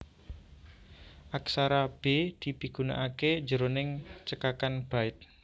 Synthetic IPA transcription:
ʔaksaɾab̥ed̪̥i̤bi̤ɡ̥una̰ʔake̥d͡ʒəɾonɪŋt͡ʃəkakanb̥a̤ɪt̪̚

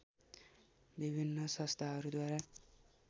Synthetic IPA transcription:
bibʱinːʌsʌ̃st̪ʰaɦʌɾud̪waɾa

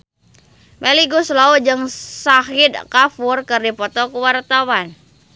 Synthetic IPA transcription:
meliɡuslaud͡ʒɨŋsahid̪̚kafurkɨrdipɔt̪ɔkuwart̪awan

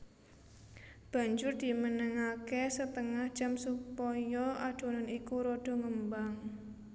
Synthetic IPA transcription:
b̥a̤ɲd͡ʒʊrd̪̥i̤mənəŋakesət̪əŋahd͡ʒamsupɔjɔad̥o̤nanikuɾɔɖ̥ɔ̤ŋəmbaŋ

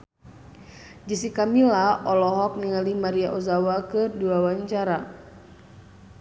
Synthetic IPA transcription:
d͡ʒisikamilaʔɔlɔɦɔk̚niŋalimaɾiaʔozawakɨrdiwawaɲt͡ʃaɾa

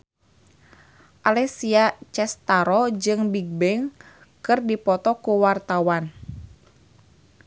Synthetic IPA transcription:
ʔalɛsiat͡ʃɛst̪aɾɔd͡ʒɨŋbiɡ̚bɛŋ | kɨrdipɔt̪ɔkuwart̪awan

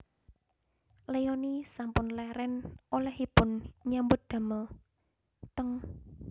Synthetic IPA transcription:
lejonisampʊnlɛɾɛnolɛhipʊnɲambʊd̪̥a̤məl | t̪əŋ

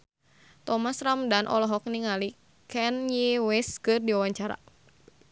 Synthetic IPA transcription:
t̪ɔmasɾamdanʔɔ̰lɔɦɔk̚niŋali | kɛnjiwɛskɨrdiawaɲt͡ʃaɾa̰

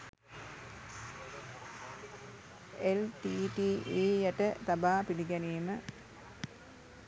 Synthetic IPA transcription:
elʈiʈieːjɐʈːɐt̪ɐbaːpiliɡɐniːmɨ

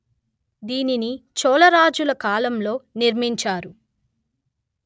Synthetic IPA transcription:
d̪iːninit͡ʃɔːlɐɾaːd͡ʒulɐkaːlɐmlo̞ːniɾmiɲt͡ʃaːɾu

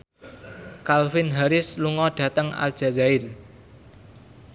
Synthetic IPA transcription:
kalfɪnɦaɾɪsluŋɔɖ̥ä̤t̪əŋa̰ld̥ʒ̥a̤zaɪl

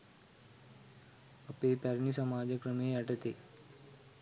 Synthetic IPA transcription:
ɐpepɛɾnisəmaːd͡ʑəkɾəmeːɐʈət̪eː

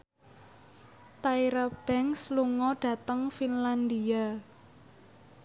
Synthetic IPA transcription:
t̪aiɾab̥ɛŋsluŋɔɖ̥ä̤t̪əŋfinland̪ia

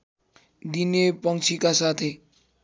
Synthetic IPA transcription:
d̪inepʌŋt͡sʰikasat̪ʰe

